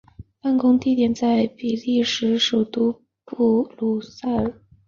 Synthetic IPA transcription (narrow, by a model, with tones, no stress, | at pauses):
pa˥˩nkʊ˥ŋt̪i˥˩t̪jɛ˨˩nt͡sa˥˩ɪpi˨˩li˥˩ʂɻ̩˧˥ʂo˨˩t̪u˥ | pu˥˩lu˨˩sa˥˩˨